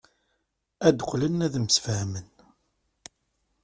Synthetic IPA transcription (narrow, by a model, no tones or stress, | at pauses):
æd̪əqʷlənːæðməsfhəmən